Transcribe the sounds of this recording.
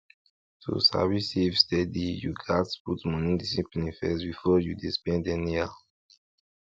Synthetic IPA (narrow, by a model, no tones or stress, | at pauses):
tʰṵsa̰visifstɛdijṵɡatsputmɔ̃nĩdisĩpɛnifɛstbifɔjudispɛ̃ndɛnia